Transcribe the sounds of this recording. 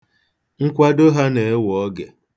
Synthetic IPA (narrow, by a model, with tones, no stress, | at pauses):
ŋ̩˦kʷa˦do˦ɦa˦ne˨e˦wɔ˨˦ɡḛ˨